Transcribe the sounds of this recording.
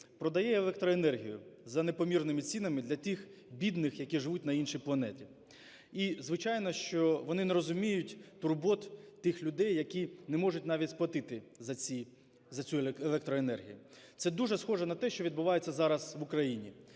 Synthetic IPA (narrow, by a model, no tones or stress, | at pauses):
pɾɔd̪ɐjɛeɛlˠɛkt̪ɾɔenɛrɦʲijʊzɐnepɔmʲirnɪmɪt͡sʲinɐmɪd̪lʲɐt̪ʲixbʲid̪nɪxjɐkʲiʒɪʋut̚ʲnɐinʃijplˠɐnɛtʲi | izʋɪt͡ʃɑjnɔʃt͡ʃɔʋɔnɪnɛɾɔzʊmʲijʊtʲt̪ʊrbɔt̪t̪ɪxlʲʊd̪ɛjːɐkʲinɛmɔʐʊtʲnɑʋʲitʲsplˠɐt̪ɪt̪ɪzɐi | zɐt͡sʲuelˠɛk̚t̪ɾɔenɛrɦʲijʊt̪sɛd̪uʐɛsxɔʒɛnɐt̪ɛʃt͡ʃɔʋʲid̪̚bʊʋɑjet͡sʲːɐzɑɾɐz̥ʋʊkɾɐjinʲi